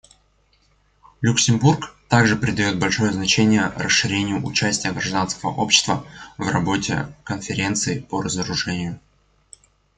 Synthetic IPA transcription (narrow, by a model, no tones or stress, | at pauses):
lʲʊksʲɪmburkt̪aɡʐɨpɾʲɪd̪ɐjo̞t̪̚bɐlʲʂo̞jəznɐt͡ɕenʲɪjərəsʂɨɾʲenʲɪjʊʔʊt͡ɕæsʲtʲɪjəɡɾɐʐd̪anskəvə̰ʔo̞pɕːɪ̥st̪vəvrɐbo̞tʲɪ̰kənfʲɪɾʲe̞nt̪sɨɪpərəzəɾʊʐɛnʲɪjʊ